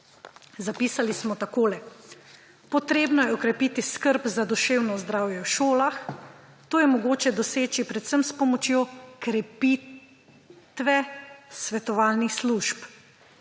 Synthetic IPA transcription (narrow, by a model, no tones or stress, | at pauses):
zapiːsalismɔt̪akoːlɛ | pɔt̪ɾeːbnɔjɛɔkɾɛpiːt̪iskəɾpzad̪ɔʃeːwnɔzd̪ɾaːwjɛwʃoːlax | t̪oːjɛmɔɡoːt͡ʃɛd̪ɔseːt͡ʃipɾɛt̪səmspɔmɔt͡ʃjoːkɾɛpiː | t̪ʋɛsʋɛt̪ɔʋaːlnixsluʃp